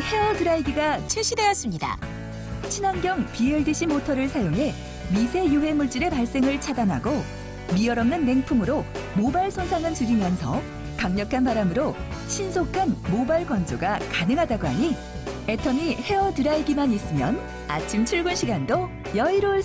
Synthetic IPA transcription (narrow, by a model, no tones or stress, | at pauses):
he̞ʌdɯɾaiɡiɡat͡ɕʰeɕ͈ʰide̞jʌs͈ɯmɲida̰ | t͡ɕʰinaŋɡjʌŋpieɭdɯɕʰimotʰʌɾɯɭsʰajoŋɦe̞ | misʰe̞juɦe̞muɭt͡ɕ͈iɾe̞paɭs͈e̞ŋɯɭt͡ɕʰadanɦa̰ɡo | mijʌɾʌmnɯnːe̞ŋpʰumɯɾo | mobaɭsʰonsʰaŋɯnt͡ɕuɾimjʌnsʰʌ | kaŋɲʌkʰanpaɾamɯɾo | ɕʰinsʰokʰanmobaɭkwʌnd͡ʑoɡakanɯŋɦadaɡoɦa̰ɲi | e̞tʰʌmihe̞ʌtɯɾaiɡimanis͈ɯmjʌn | a̰t͡ɕʰimt͡ɕʰuɭɡunɕʰiɡando | jʌiɾoɭ